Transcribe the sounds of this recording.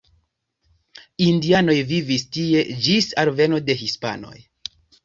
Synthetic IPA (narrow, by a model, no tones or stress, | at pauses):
indiano̞jvivistie̞d͡ʒisaɾve̞no̞de̞ɦispa̰no̞̰j